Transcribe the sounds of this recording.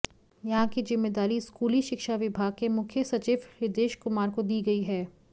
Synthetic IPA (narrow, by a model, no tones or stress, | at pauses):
jɐɦãkizɪmːeːd̪aːɾiskuːliʃɪkʃaʋɪbʱaːɡ̚kemʊkʰjəsɐt͡ʃiːʋɪd̪eːʃkʊmaːɾkod̪iːɡɐiɦɛː